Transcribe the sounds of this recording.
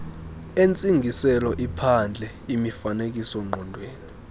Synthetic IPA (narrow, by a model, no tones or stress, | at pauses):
ent͡sʼiŋɡʱisɛlɔʔipʰand͡ɮʱɛ | imifanek̬ʼisɔŋ͡ǃɔndʱweːni